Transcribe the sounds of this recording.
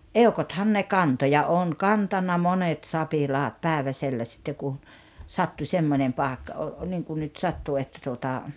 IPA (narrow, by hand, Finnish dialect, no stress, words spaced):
eokothɑn ne kɑnto jɑ oːn kɑntɑnːɑ monet sɑpilɑːt pæˑeʋæselːæ sitːe kun sɑtːu semːonʲem pɑˑekːɑ o niːŋkun nyt sɑtːu etːæ tuotɑ